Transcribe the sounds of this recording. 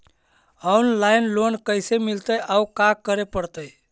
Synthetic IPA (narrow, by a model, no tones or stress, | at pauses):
ɔnlajnlonkəjsemilt̪əjʔaukakəɾepəɽt̪əj